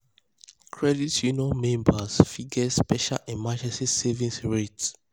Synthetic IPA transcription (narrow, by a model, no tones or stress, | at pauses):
kʰɹɛditjunɔmẽmbasfiɡɛspɛʃa̰lɛ̃mad͡ʒɛ̃nsisevĩnsɹet